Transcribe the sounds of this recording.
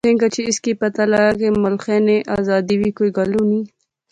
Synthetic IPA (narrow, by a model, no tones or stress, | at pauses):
eŋɡat͡ʃeɪskipət̪alajakemʊlxeneʔazɑd̪iwikojɡaluni